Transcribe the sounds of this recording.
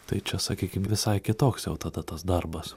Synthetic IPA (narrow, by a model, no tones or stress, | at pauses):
t̪ɐɪt͡ʃʲɛsɐkʲiːkʲɪmʋʲɪsɐɪkʲɪt̪oːksjɛʊt̪ɐd̪ɐt̪ɐsd̪ɐrbɐs